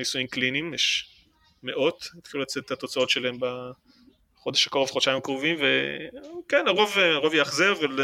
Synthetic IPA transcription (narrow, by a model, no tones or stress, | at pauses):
nisujimklinimjɛʃ | me̞ʔo̞tet̪χilulat͡set̪etat̪o̞t͡sao̞tʃelaemba | χo̞d̪eʃakoʁevχot͡ʃaimkʁuvimvekenaʁo̞vaʁovjaχzevval